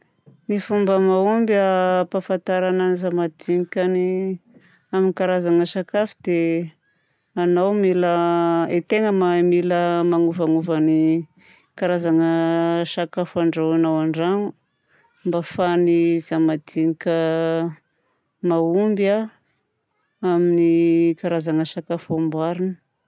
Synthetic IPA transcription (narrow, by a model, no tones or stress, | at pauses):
nifumbəmaumbapafant̪aɾananizamad̪iŋikʲani | aminikaɾazaŋəʃakafud̪̥e | anawmiləet̪eŋəmamiləmaŋuvaŋuvani | kaɾazaŋəʃakafaɳɖ͡ʐawanawaɳɖ͡ʐaŋu | mbafanizamad̪iŋikʲə | maumba | aminikaɾazaŋəʃakafambaɾinə